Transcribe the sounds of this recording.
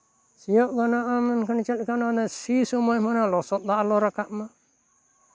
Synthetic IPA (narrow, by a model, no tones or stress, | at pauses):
sijɔʔɡanaʔamankant͡ʃəlkananasisɔmɔjmanalɔsɔt̪̚ˀdaʔalɔɾakaʔma